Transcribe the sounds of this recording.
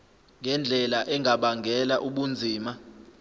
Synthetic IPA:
ŋɡʱɛnd͡ɮʱɛlaʔɛŋʱaɓaŋɡʱɛlaʔuɓund͡zʱiːma

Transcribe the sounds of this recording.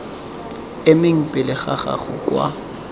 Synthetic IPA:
ɪmɪŋ̩pʼɪlɪχaχa̰χʊ̰kwa̰

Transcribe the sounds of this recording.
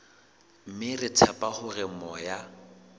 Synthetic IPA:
m̩mɪrɪtʰapʼahʊrɪmɔja

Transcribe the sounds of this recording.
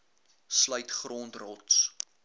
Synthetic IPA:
sləjtχroːntrɔts

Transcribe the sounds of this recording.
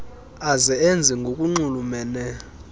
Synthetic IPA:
azɛend͡zʱiŋɡʱokʼuŋ͡ǃulumɛːnɛ

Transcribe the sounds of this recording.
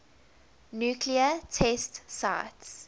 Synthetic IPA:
njuːkʰliətʰɛstsa̰ɪts

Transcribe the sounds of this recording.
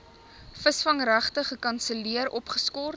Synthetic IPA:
fəsfɐŋræχtəχəkɐnsəliəɾɔpχəskɔr

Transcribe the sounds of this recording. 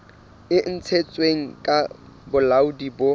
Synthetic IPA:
ɪn̩t͡sʰet͡sʼweŋ̩kʼa | bʊlaʊdibʊ

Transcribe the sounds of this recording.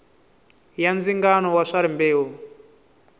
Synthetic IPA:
jand͡ziŋɡanɔwaʂaɾimbeːɦu

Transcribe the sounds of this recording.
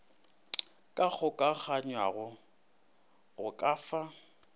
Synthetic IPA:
kʼak͡xʰʊkʼak͡xaɲwa̰ɣʊ | ɣʊkʼaːfa

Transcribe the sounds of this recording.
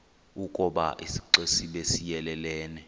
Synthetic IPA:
ukʼɔɓa̰ʔisi̥ǀesiɓesijɛlɛlɛːnɛ

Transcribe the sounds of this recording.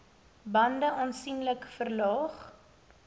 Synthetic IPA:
bɐndəʔɑːnsinləkfərlɑːχ

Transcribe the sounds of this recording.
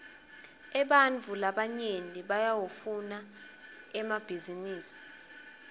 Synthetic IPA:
ɛɓanvʱulaɓaɲeniɓajawufuna | ɛmab̥ʱiziniːsi̥

